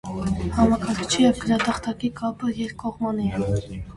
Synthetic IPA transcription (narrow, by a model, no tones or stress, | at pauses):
hɑmɑkɑɾkʰt͡ʃʰijɛvɡənɑt̪ɑχt̪ʰɑkikʰɑpəjɛɾkɔʁmɑni